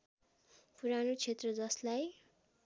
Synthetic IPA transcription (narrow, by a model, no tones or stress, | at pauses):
puɾanot͡sʰet̪rʌd͡zʌslaj